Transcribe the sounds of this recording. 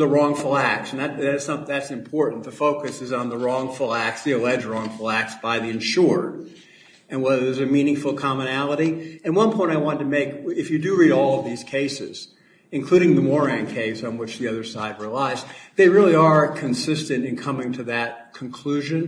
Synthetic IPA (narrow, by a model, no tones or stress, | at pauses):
ðəɹɔ̃ŋfl̩ˠæk̚tsn̩ðɨt̚ðætsʌ̃mðætsɨ̃mpʰɔɹʔn̩ðɨfoʊkɨsɨzn̩ðəɹɔ̃ŋfl̩ˠæk̚tsðiɨlɛd͡ʒɹɔ̃ŋfəl̩ˠæk̚tsb̥aɪðiɨ̃nʃʊɹ | ɨ̃nwɛðə˞ðəzɨmĩnɪ̃ŋfl̩ˠkʰɑmɨnælˠəɾiɨ̃nwʌ̃npʰɔ̃ɪ̃taɪwɑ̃ntɨmeɪkɪfjɨdɨɹiɾɔlˠʌvðiz̥kʰeɪsɪ̰z̥ | ɨ̃nkʰl̥ʉɾɪ̃ŋðɨmɔɹæ̃ŋkʰeɪsn̩wət͡ʃðiʌðə˞saɪd̚ɹilaɪzðeɪɹɪlˠiə˞kʰɨ̃nsɪstɨ̃ntɨ̃nkʰʌmɪ̃ŋtʰɨðɨt̚kʰn̩kʰl̥ʉʒɨ̃n